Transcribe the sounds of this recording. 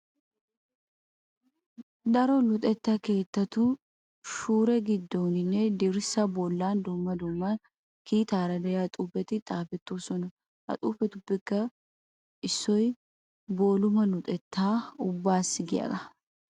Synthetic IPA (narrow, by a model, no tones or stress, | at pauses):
d̪ɐɾɔlʊt̪ʼɛt̪ːake̞ːt̪ːɐt̪ʊ | ʃuːɾɛɡɪd̪ːoːnɪnːɛd̪ɪɾɪsɐbɔlːaːnd̪ʊmːɐd̪ʊmːan | kiːt̪aːɾɐd̪ɐjat̪ʼuːpɛt̪ɪt̪ʼaːfɛt̪ːoːsɔnɐ | hɐ̰t̪ʼṵːfɛt̪ʊbːɪkːɐ | ʔɪsːɔj | boːlʊmɐlʊt̪ʼɛt̪ːaːʊbːaːsːɪɡɪja̰d̪ɐ